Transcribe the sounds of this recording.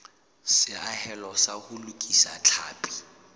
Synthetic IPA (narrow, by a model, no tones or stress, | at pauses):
sɪahɛlɔsahʊlukʼisat͡ɬʰa̰ːpʼi̥